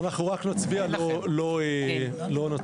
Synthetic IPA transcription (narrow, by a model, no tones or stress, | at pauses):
naχnuʁaknat͡sbialolo̞e | lo̞na